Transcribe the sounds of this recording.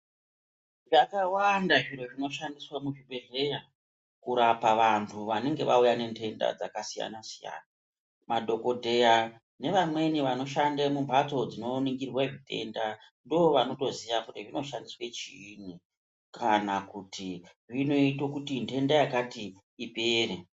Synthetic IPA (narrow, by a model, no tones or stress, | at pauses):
ʐakawandaʐiɾo̞ʐino̞ʃandiswamuʐibʱe̞ɮe̞ja | kuɾapaʋantʰuʋane̞ŋɡe̞ʋa̰ujane̞ntʰe̞nda̰d͡za̰kasija̰nasija̰ːna | madʱo̞ko̞dʱe̞ja | ne̞ʋamwe̞niʋano̞ʃandamumbʱat͡so̞d͡zino̞niŋɡirweʐite̞̰ndandooʋano̞to̞zijakutiʐino̞ʃandiswe̞t͡ʃin̤i | kʰanakutʰiʐino̞itokutintʰe̞ndajakatiː | ipeːre